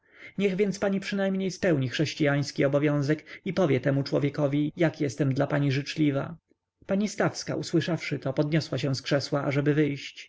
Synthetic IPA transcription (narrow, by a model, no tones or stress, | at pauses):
ɲɛɣvʲjɛnt̪spaɲipʂɘnajmɲejspɛwɲixʂɛɕt͡ɕijaj̃skʲiɔbɔvʲjɔ̃w̃zɛkipɔvʲjɛt̪ɛmut͡ʂwɔvʲjɛkɔvʲijakjɛst̪ɛmd̪lapaɲiʐɘt͡ʂlʲiva̰ | paɲist̪afska̰ʔuswɘʂafʂɘt̪ɔpɔd̪ɲɔswaɕɛ̃w̃skʂɛswaʔaʐɛbɘvɘjɕt͡ɕ